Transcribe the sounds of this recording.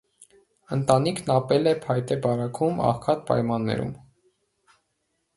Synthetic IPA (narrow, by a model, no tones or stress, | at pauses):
ənt̪ɑnikʰnɑpɛlɛpʰɑjt̪ɛbɑrɑkʰumɑ̰χkʰɑt̪̚pɑ̰jmɑnːɛ̰ɾṵm